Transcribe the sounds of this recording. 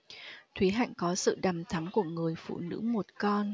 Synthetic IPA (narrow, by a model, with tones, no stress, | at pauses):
t̪ʰwi˨˦ɦa̰ː˧˨ŋ̟kɔ˨˦sɨ̰˧˨ɗa˨˩mt̪ʰa˨˦mku˧˩əŋɨ˨˩əjfṵ˧˨nɨ̰˧˥mo˨˩t̚kɔ˧n